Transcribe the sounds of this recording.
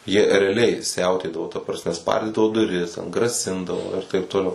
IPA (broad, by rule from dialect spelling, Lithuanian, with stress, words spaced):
jiɛ rʲɛɐˈlʲɛɪ ˈsʲɛʊtʲeːdɐʋoː tɐ prɐsʲˈmʲɛ ˈspɐrʲdʲiːdɐʋoː dʊˈrʲɪs tʲɛn ɡrɐˈsʲɪndɐʋoː ɪr tɐɪp toːˈlʲɛʊ